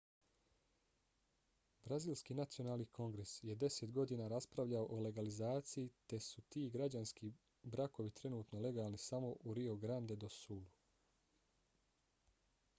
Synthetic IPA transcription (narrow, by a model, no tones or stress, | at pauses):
bɾaziːlˠskiːnat̪sio̞naːlˠnikʰo̞ŋɡɾesje̞d̪e̞set̪ɡo̞d̪iːnaːɾaspɾaʋʎaoʔole̞ɡalizaːt̪sijit̪e̞sut̪iːɡɾad͡ʑanski | bɾako̞ʋit̪ɾe̞nuːt̪nole̞ɡaːlˠnisamo̞ʔuɾio̞ɡɾand̪e̞d̪o̞suːlu